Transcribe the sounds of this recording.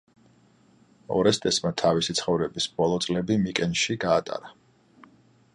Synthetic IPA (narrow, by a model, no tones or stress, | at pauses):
ɔ̰ɾɛst̪ʼɛsmat̪ʰavisit̪sʰχɔvɾɛbisbɔlˠɔt̪sʼlɛbimikʼɛnʃiɡaːt̪ʼa̰ɾa